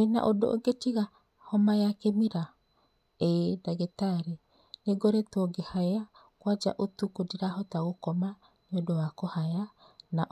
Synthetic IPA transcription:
ena̰ʔodoʔoɡetiɣa | hɔmajakemiɾa | edaɣetaɾe | neɡoɾetwɔɡehaja | kwad͡ʒa̰ʔotukodiɾahɔtaɣokɔma | nodowakohaja | naʔ

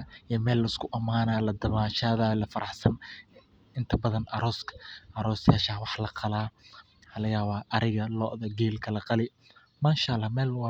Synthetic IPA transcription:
imɛːlːɐɪskʰʊʔɐmaːnalɐd̪ɐβaːʃaːðalɐfɐɾʔɑħsɐn | ɪnt̪ʰɐbɐðɐnʔɐɾɔːskʰɐ̥ʔɐɾɔːsaːʃaːwɑħlɐqʰɑlaː | ħɑlɐjaːβaːʔɐɾɪɣɐlɔːʔðɐɡɛːlkʰɐlɐqɑlɪ | maːʃalːɑmɛːlwɑ

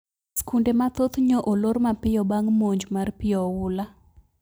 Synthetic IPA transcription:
skundemat̪ot̪ɲɔʔoloɾmapɪjɔbaŋmoɲd͡ʒmarpɪɔwʊla

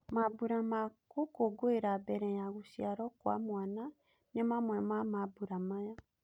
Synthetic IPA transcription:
mabuɾamakokoɡoeɾabɛɾɛjaɣusiaɾɔkwa̰mwana | nɛmamwɛmamabuɾamaja

